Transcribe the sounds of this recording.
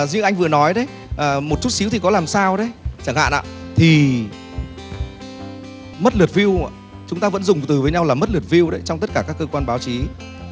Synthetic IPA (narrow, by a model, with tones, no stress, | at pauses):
zɨ̰˧˥ŋʔa˧jŋ̟vɨ˨˩ənɔ˨˦jɗə˨˦j | ʔəː˨˩mo˨˩t̚t͡ɕu˦˥t̚si˨˦wt̪ʰi˨˩kɔ˨˦laː˨˩msaː˧wɗə˨˦jt͡ɕaː˧˩ŋha̰ː˧˨nʔa̰ː˧˨t̪ʰi˨˩ | mə˦˥t̚lɨ˨˩ət̚vi˧əw | t͡ɕʊ˨˦ŋ͡mt̪aː˧və̰˧˥nzʊ˨˩ŋ͡mt̪ɨ˨˩vəː˨˦jɲa˧wlaː˨˩mə˦˥t̚lɨ˨˩ət̚vi˧əwɗə˨˦jt͡ɕɔ˧wŋ͡mt̪ə˦˥t̚kaː˧˩kaː˦˥kːə˧kwaː˧nɓaː˨˦wt͡ɕi˨˦